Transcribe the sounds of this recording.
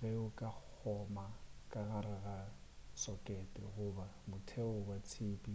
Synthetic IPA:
ɣɛʊkʼak͡xʰɔmakʼaɣaɾɪɣasɔkʼɛtʼɛ̰ɣʊba | mʊtʰɛʊbat͡sʰeːpʼi

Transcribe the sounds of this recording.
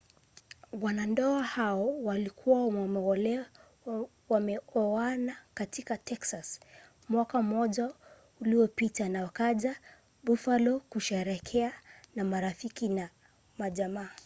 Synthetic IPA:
wanandɔahaɔwalikʰuwaamɛɔlɛ | wamɛɔanakatikatɛksas | mwakamɔʄa | uliɔpitanawakaʄa | bufalɔkuʃɛɾɛkʰɛanamaɾafikina | maʄamaː

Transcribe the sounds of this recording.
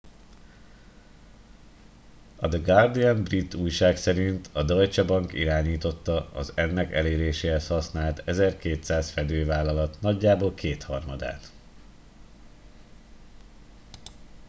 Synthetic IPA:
ɒd̪ɛɡard̪iɛnbrit̪ːuːjʃaːksɛɾint̪ʰɒd̪ɒjt͡ʃɒbɒŋkiɾaːɲiːt̪o̞t̪ːɒɒ̰zɛnːɛkɛleːɾeːʃeːɦɛshɒsnaːlt̪ɛzɛrkeːt̪saːsfɛd̪øːvaːlːɒlɒt̪nɒɟːaːboːlkʰeːt̪hɒrmɒd̪a̰ːt̪

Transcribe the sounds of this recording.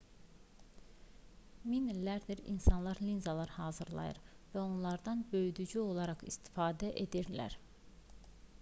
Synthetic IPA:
minlæɾd̪iɾḭnsɑnlˠɑɾlinzɑlˠɑɾhɑːzɯɾlˠɑ̰jɯ̰ɾ | væo̞nlˠɑɾd̪ɑnbø̞jd̪yd͡ʒyo̞lˠɑɾɑχist̪ʰi̥fɑːd̪æʔe̞d̪iɾlæ̰ɾ

